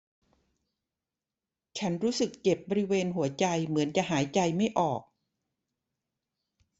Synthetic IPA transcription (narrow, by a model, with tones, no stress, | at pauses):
t͡ɕʰa˦˥nɾuː˦˥sɯ˨˩k̚t͡ɕe˨˩p̚bɔː˧ɾi˦˥weː˧nɦu˩˦ɐt͡ɕa˧jmɯ˩˦ənt͡ɕa˨˩ʔɦaː˩˦jt͡ɕa˧jma˥˩jʔɔː˨˩k̚